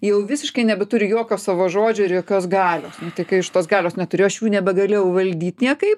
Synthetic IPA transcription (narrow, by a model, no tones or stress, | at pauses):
jɛʊʋʲɪsʲɪʃkɐɪnʲɛbʲɛt̪ʊɾʲɪjoɔkʲoːsɑːʋoːʒoːd͡ʒʲoːɪɾjoːkʲoːsɡɑːlʲoːsnʊt̪ɐɪkɐɪɪʃt̪oːsɡɑːlʲoːsnʲɛt̪ʊɾʲeːjoɐʃjuːnʲɛbʲɛɡɐlʲeːjɛʊʋɐlʲd̪ʲiːt̪ʲnʲiɛkɐɪp